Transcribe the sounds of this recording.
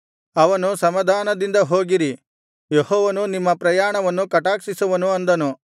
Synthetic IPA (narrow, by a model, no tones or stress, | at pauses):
ɐʋɐnusɐmɐd̪ʱaːnɐd̪ind̪ɐɦo̞ːɡiɾi | jehɔːʋɐnunimːɐpɾɐjaːɳɐʋɐnːukɐʈaːksisuʋɐnuɐnd̪ɐnu